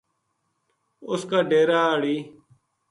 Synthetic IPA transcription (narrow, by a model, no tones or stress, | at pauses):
ʊskaːɖeːɾaːɽiː